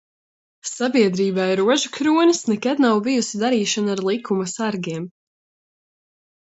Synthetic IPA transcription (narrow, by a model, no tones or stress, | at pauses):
sabiɛd̪ɾiːbajɾuɔʒukɾuɔnɨsnɛkad̪̚nawvijusid̪aɾiːʃanaɾlˠikʰːumasaɾɡiɛm